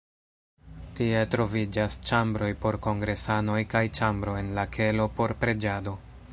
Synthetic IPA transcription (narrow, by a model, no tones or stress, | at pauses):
tie̞tɾo̞vid͡ʒast͡ʃambɾo̞jpo̞ɾko̞ŋɡɾe̞sano̞jkajt͡ʃambɾo̞e̞nlakʰe̞lo̞po̞ɾpɾe̞d͡ʒado̞